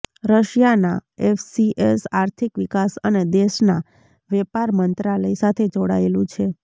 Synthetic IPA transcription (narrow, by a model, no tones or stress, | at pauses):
ɾəʃjana̰efsiʔesaɾt̪ʰikʋikasəned̪eʃna | ʋɛpaɾmənt̪ɾaləjsat̪ʰed͡ʒoɽaelũt͡ʃʰe